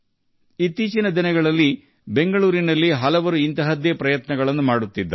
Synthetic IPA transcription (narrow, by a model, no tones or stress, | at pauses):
it̪ːiːt͡ʃinɐd̪inɐɡɐɭɐlːi | be̞ŋɡɐɭuːɾinɐlːiɦɐlɐʋɐɾuint̪ɐɦɐd̪jɐpɾɐjɐt̪nɐɡɐɭɐnːumaːɽut̪ːid̪ːɐ